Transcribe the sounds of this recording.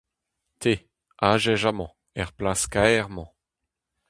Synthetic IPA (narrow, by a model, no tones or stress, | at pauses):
t̪ʰe | aʒɛʒamɑ̰̃ | ɛʁplaskaɛʁmɑ̃